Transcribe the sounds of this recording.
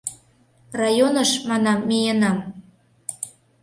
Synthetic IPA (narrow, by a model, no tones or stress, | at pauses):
rɑjonə̆ʃmɑnɑmːejənɑm